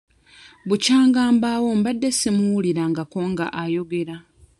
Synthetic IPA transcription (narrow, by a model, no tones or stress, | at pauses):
βucaːŋɡaːmbawo̞mbadːesemuwuliɾaŋɡako̞ːŋɡa̰ʔajo̞ɡe̞ɾa